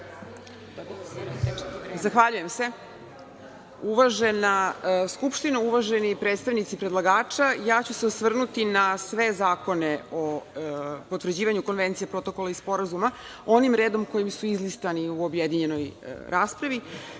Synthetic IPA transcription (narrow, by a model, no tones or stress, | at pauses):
zaxʋaʎuje̞mse̞ | uʋaʒenaskupʃt̪inuuʋaʒe̞nipɾeːt̪st̪aʋnit̪sipɾedlˠaɡaːt͡ʂajaːt͡ɕuse̞osʋr̩nut̪inasʋe̞zaːko̞neo | po̞t̪ʋr̩d͡ʑiːʋaɲuko̞nʋe̞nt̪sijepɾo̞t̪o̞ko̞laispo̞ɾazuma | o̞nimɾe̞ːd̪o̞mko̞jimsuizlist̪aniuobjed̪iɲe̞no̞jɾaːspɾaʋi